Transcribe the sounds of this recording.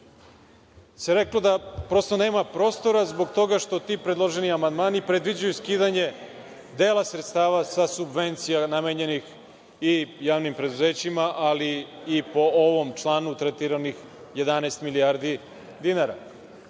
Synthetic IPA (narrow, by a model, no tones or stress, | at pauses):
seɾe̞klo̞d̪apɾo̞st̪one̞ːmapɾo̞ːst̪o̞ɾazbo̞ɡt̪o̞ɡaʃt̪o̞t̪iːpɾed̪lˠoʒeniamand̪maːnipɾed̪ʋid͡ʑujuskiːd̪aɲe̞ | d̪eːlˠasɾet̪st̪aːʋasasubʋe̞nt̪sijanameɲe̞nix | ijaːʋnimpɾe̞d̪uze̞ːt͡ɕimaʔaliː | po̞oʋo̞mt͡ʃlaːnut̪ɾet̪iɾanix | je̞d̪anɛːst̪milijaːɾd̪i | d̪inaɾa̰